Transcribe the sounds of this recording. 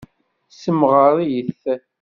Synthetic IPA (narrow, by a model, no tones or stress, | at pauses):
səmʁəɾˤijəθ